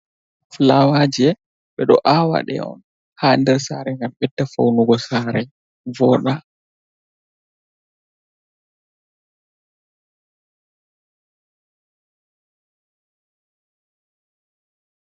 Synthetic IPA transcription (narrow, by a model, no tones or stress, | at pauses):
flawad͡ʒɛ | ɓɛɗɔ̰ʔawa̰ɗɛ̰ɔ̰n | haːndɛɾsaɾɛŋɡamɓɛtːafa̰wnuɡɔsaɾɛ | vɔːɗa